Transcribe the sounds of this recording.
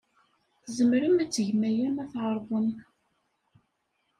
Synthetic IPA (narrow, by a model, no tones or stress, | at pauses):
θzəmɾəmæt͡sːəʝmæjæmæθʁəɾˤvən